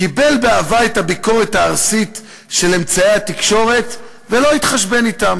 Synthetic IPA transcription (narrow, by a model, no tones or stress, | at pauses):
kibe̞lbeavaet̪habiko̞ʁet̪haːʁsit̪ | ʃe̞le̞mt͡saehat̪ikʃo̞ʁe̞t̪ | velo̞it̪χaʃbe̞nit̪am